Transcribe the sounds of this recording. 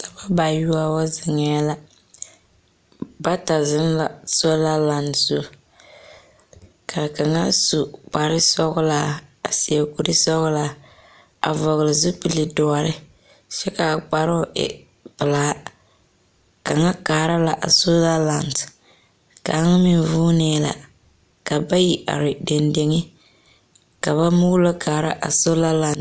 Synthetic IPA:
ta˨ba˦ba˨ju˦a˦wa˦zɪ˨ŋɛ˦la˦ | ba˦ta˨zɪ˦ŋ˦la˨so˦la˦la˨ndsu˦ | kʰa˨ka˨ŋa˦su˨k͡pa˨ɾɪ˦sɔ˦ɣʊ˦la˨a˨si˨a˨ku˨ɾɨ˦sɔ˦ɣʊ˦la˦ | a̰˨vɔ˨ɣɨ˨lɨ˨zɨ˦pɨ˨li˨dɔ˨˦a˨ɾɪ˦ | t͡ʃɛ˦ka˨k͡pa˨ɾʊ˦ɪ̰˨ | pɨ˨laː˦ | ka˨ŋa˦kaː˨ɾa˦la˨ʔa̰˨so˦za˦la˦nt | ka̰˨a˦ŋ˦mi˨vuː˦nɛː˦la̰˨ | ka˨ba˦ji˨ʔa̰˨ɾɪ˨de˨nde˨ŋɪ˦ | ka˨βa˦muː˦lo˦kaː˨ɾa̰˦ʔa˨so˦la˦la˨n

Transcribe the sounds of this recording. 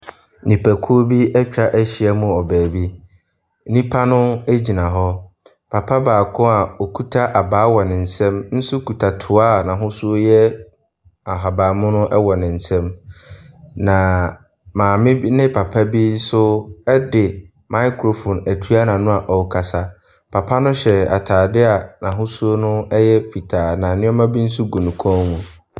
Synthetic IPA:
nĩ˨pʰæ˨kʰu˦o˦bi˦ɛ˦t͡ɕᶣa˦ʔæ˦ɕi˨ɛ˦mũ˨ɔ˨bæː˨bi˦ | nĩ˦pʰa˦nʊ̃˦æ˦d͡ʑi˨nã˨ɦɔ˦ | pʰa˨pʰa˦baː˨kʰʊ̃˦a˨ɔ˨kʰu˦tʰa˦ʔa˨baː˨˦wɔ˨nɪ̃˨n̩˨sɛ̃˦mn̩˦sʊ˦kʰu˨tʰa˨tʰʊ˨aː˦nã˨ɦʊ̃˦sʊ˦jɛ˦ | a˨ɦa˨baː˨mʊ̃˦nʊ̃˦ʔɛ˦wɔ˨nɪ̃˨n̩˨sɛ̃˦m | nã˨ | mãː˨mɪ̃˦nɪ̃˦pʰa˨pʰa˦bi˦n̩˦sʊ˦ɛ˦dɪ˨ | mã˦ɪ˦kʰɾo˨fɔ̃˨næ˨tʰu˦a˦nã˨nʊ̃˦a˨ʔɔ˨wkʰa˨sa˦ | pʰa˨pʰa˦nʊ̃˦ɕɛ˨a̰˨tʰaː˨dɪ˦a˨nã˨ɦʊ̃˦su˦o˦nʊ̃˦ɛ˦jɛ˦fi˨tʰaː˨nã˨nɪ̃˦ɔ˦mã˦bi˦n̩˦s̬ʊ˦ɡu˨nũ˨kʰɔ̃˦mũ˨

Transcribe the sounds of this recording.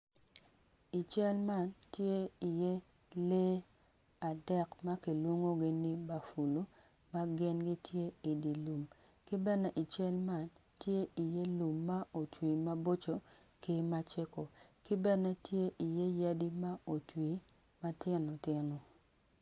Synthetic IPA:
i˨t͡ʃɛ˦lma˦˨ntje˦i˨je˦ | le˦ | a˨dɛ˦kma˦ki˨lwo˦ŋo˦ɡɪ˦nɪ˦ba˨fu˨lu˦ | ma˦ɡɪ˦nɡɪ˦tje˦i˨di˨lu˨m | kɪ˦bɛ˦nɛ˦ʔi˨t͡ʃɛ˦lma˦˨n | tje˦ʔi˨je˦lu˨mːa˦o˨twi˨ma˦bo˦t͡ʃo˨ | ki˦ma˦t͡ʃe˦ko˨kɪ˦bɛ˦nɛ˦tje˦ʔi˨je˦ja˦di˦ma˦o˨twi˨ | ma˦tɪ˦no˨tɪ˦no˨

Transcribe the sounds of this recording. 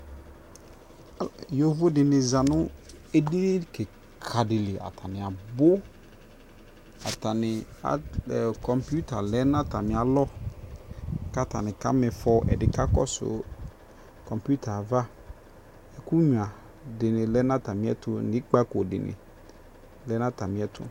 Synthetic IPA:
jo˦vʊ˦dɪ˨nɪ̃˨za˨nʊ̃˦ | e˦di˦kɛ˨ | kʰa˨dɪ˨lɪ˨ʔa̰˨tʰa˨nɪ̃˨a˨bʊ˦ | a˨ta˨nɪ̃˨a̰˨kɔ˨mpu˦ta˨lɛ˦nã˦ta˨mɪ̃˨a˨lɔ˦ | ka˦ta̰˨nɪ̃˨ka̰˦mɛ˨fɔ˦ʔɛ̰˨dɪ˨ka˦kɔ̰˦sʊ̰˨ | kɔ̃˨mpu˦tʰa˨va˦ | ɛ˨ku˦ɲũ˨ã˨ | dɪ˨nɪ̃˨lɛ˦nã˦ta˨mɪ̃˨˦ɛ̰˦tʊ˦nɪ̃˦k͡pa˦ko˨dɪ̰˨nɪ̰˨ | lɛ˦nã˦ta˨mɪ̃˨˦ɛ˦tʰʊ̰˦

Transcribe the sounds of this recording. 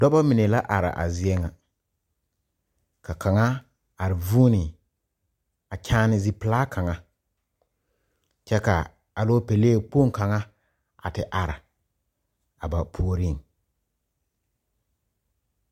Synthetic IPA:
dɔ˦ba˦mɪ˨ne˨la˦ʔa˨ɾa̰˨ʔa̰˨zɪ˨ɛ˦ŋa˨ | ka˨kʰa˨ŋa˦ | a˨ɾɪ˨vuː˦nɪ˨ | a˨kʰaː˦nɪ˦zi˦pɪ˨laː˦kʰa˨ŋa˦ | t͡ʃɛ˦ka̰˨ | a˨loː˦pe˨leː˦˨pu˦o˦˨ŋ˨ka˨ŋa˦ | a̰˨tɪ˨ʔa˨ɾɪ̰˨ | a˨ba˨pʰu˨o˨ɾi˦˨ŋ˨

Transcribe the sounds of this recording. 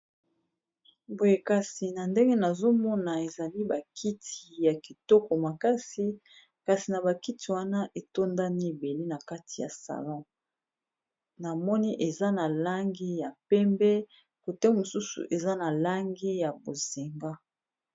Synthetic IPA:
bo˨je˨ka˨si˨na˨nde˦ŋɡe˦na˨zo˦mɔ˦na˨e˨za˨li˦ba˨kʰi˦tʰi˨ja˨ki˨tɔ˦kɔ˨ma˨ka˦si˦ | ka˨si˨na˨ba˨ki˦tʰi˨wa˦na˦ʔe˨to˦nda˦ni˦e˨be˨le˦na˨ka˦tʰi˨ja̰˨sa̰˨lɔ̃˦ | na˨mɔ˦ni˦ʔe˨za˦na˨la˦ŋɡe˦ja˨pɛ˦mbɛ˦ | ko˨tɛ˦mo˨su˦sṵ˨ʔe˨za˦na˨la˦ŋɡe˦ja˨bo˨z̥e˨ŋɡa˦

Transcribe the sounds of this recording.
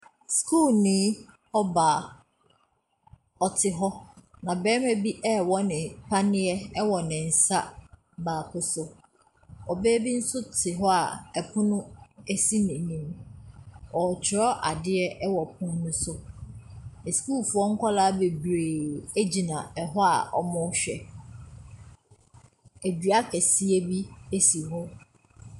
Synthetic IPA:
skʰuː˦˨lnĩː˦ | ɔ˦ba˨ | ɔ˨tʰɪ˨ɦɔ˦nã˨bɛː˦mɛ˦bi˦ʔɛ˦wɔ˦nɪ̃˨pʰa˦nɪ̃˦ɛ˦ɛ˦wɔ˨nɪ̃˨n̩˨sa˦ | baː˨kʰʊ˦sʊ˦ | ɔ˨bɛː˦bi˦n̩˦sʊ˦tʰɪ˨ɦɔ˦a̰˨ɛ˨pʰʊ̃˦nʊ̃˦e˦si˦nĩ˨nĩ˨m | ɔ˨t͡ɕʰɪ˨ɾɔ˦ʔa˨dɪ˦ɛ˦ʔɛ˦wɔ˨pʰʊ̃˦n˦nʊ̃˦sʊ˦ | ɛ˨sku˦˨lfʊ˨˦ɔ˦ŋ̩˦kʰʷɔ˦laː˦be˨bɾeː˨e˦d͡ʑi˨nã˨ɛ˨ɦɔ˦a̰˨ʔɔ̰˦mʊ̃˦ɕᶣɛ̰˨ | e˨dɥa˦kʰɛ˨si˦e˦bi˦e˦si˨ɦɔ˦

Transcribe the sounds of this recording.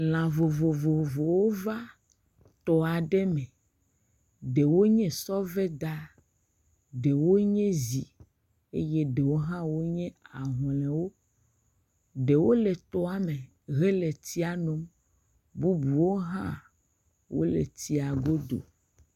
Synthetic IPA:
l̃ã˨vo˨vo˨vo˨vo˨wo˦va˦ | t̪ɔ˨a˨ɖɛ˦mɛ̃˨ | ɖe˨wo˦ɲɛ̃˦sɔ˦vɛ˦d̪a˦ | ɖe˨wo˦ɲɛ̃˦zi˨ | e˦je˦ɖe˨wo˦ɦã˦wo˦ɲɛ̃˦a˨ɦɔ̃˨lɛ̃˨wo˦ | ɖe˨wo˦lɛ˨t̪ɔ˦a˨me˨ | ɣɛ˦le˨t̪i˦a˨nɔ̃˨m | bu˦bu˨wo˦ɦã˦ | wo̰˦lḛ˨t̪i˦a˨ɡo˦d̪o̰˨

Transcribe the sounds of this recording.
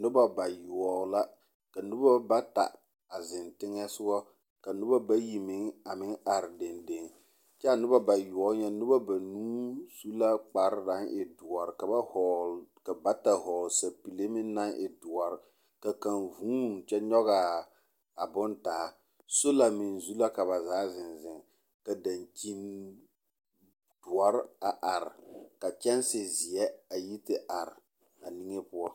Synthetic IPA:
nʊ˦ba˦ba˨ju˨ɔ˨˦la˦ | ka˨nʊ˦ba˦ba˦ta̰˨ | a˨zɪ˨ntɪ˦ŋɛ˦sʊ˦ɡɔ˦ | ka˨nʊ˦ba˦ba˦ji˨mɪ˨ŋa˨mɪ˦ŋa˨ɾɪ˨de˨nde˨ŋ | t͡ʃɛ˦a˨nʊ˦ba˦ba˨jʊ˨ɔ˨˦ɲɛ˦nʊ˦ba˦ba˨nuː˦su˦la˦k͡pa˨ɾɪ˦da˨˦ŋʔɪ˨dʊ˨ɔ˨ɾɪ˨ka˨ba˦hɔ˨ka˨ba˦ta˨ɦɔ˨lsa˨pi˨le˦mɪ˦n˦na˦ŋʔɪ̰˨dʊ˨ɔ˨ɾɪ˨ | ka˨ka˨nvuː˦˨t͡ʃɛ˦ɲɔ˦ɣa˨ | a˨bʊ˦ntaː˨˦ | so˦la˨mɪ˨nzu˦la˦ka˨βa˨zaː˨˦zɪ˨nzɪ˨ŋ˨ | ka˨da˨nt͡ʃi˦n | d̥ʊ˨a˦ɾa˨ʔa˨ɾɪ˨ka˨t͡ʃɛ˦n˦sɪ˨zɪ˨jɛ˦a˨ji˦tɪ˦ʔa˨ɾɪ˨ | a˨ni˦ŋe˦pʊ˦a˦

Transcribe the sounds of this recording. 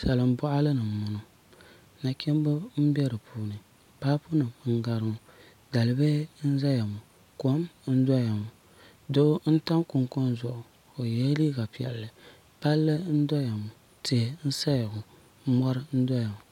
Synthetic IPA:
sa˨lɨ˨m˦bʊ˦ʔa˦lɨ˦nɨ˨m˨mʊ˨nʊ˨ | na˨kʲɛ˦m˦bʊ˦m̩˦bɛ˦dɨ˨puː˦nɨ˨ | paː˦pʊ˦nɨ˨mŋ̩˦ɡa˨ɾɨ˨mʊ˨ | da˨lɨ˨˦be˦n̩˦za˦ja˨mu˨ | ko˨˦mn̩˦dɔ˦ja˨mʊ˨ | do˦n̩˦ta˦ŋkʊ˨ŋkʊ˦nzʊ˨ʔʊ˨ | o˨jɛ˦li˦ɡa˨pi˨ɛ̰˨llɨ˨ | pa˦lːɨ˦n̩˦dɔ˦ja˨mu˨ | tɪ˨n̩˦sa˦jɡʊ˨˦ | mɔ˦ɾɨ˦n̩˦dɔ˦ja˨mʊ˨

